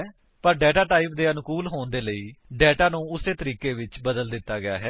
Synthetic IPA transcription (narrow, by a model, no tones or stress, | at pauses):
pəɾɖɛːʈaːʈaːɪp̚d̪eːənkuːlɦoːnd̪eːləiːɖɛːʈaːnũːʊseːt̪əɾiːkeːʋɪt͡ʃbəd̪əld̪ɪt̪ːaːɡɪa̰ːɦɛː